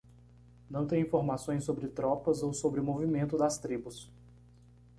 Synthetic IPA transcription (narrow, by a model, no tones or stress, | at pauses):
nɐ̃w̃t̪ẽj̃ĩfoɾmasõj̃sːobɾɪt̪ɾɔpɐzowsobɾɪmovimẽnt̪ʊd̪ɐst̪ɾibʊs